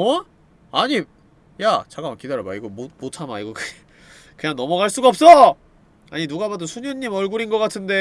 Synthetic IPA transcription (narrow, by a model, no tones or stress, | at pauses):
ʌ | aɲi | jat͡ɕaɡamakidaɾoba̰iɡomomotʰamaiɡokɯ | kɯɲaŋnʌmʌɡaɭs͈uɡaʌp̚s͈ʌ | aɲinuɡabadosʰuɲuɲːimʌɭɡuɾinɡʌk͈atʰɯnde̞